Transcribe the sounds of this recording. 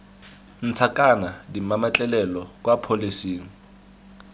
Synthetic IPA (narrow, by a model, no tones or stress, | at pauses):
n̩t͡sʰakʼanadimamat͡ɬʼɛlɛlɔkʼwapʰolisiːŋ̩